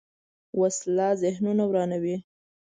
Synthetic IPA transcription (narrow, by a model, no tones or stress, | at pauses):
waslɑzɪhnunawɾɑnawi